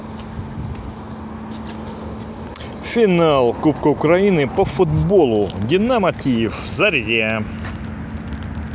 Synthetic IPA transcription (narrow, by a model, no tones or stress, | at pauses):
fʲɪnalˠkupkəʊkɾɐinɨpəfʊd̪bolˠʊɡʲɪnːamɐtʲijɪfzɐɾʲdʲia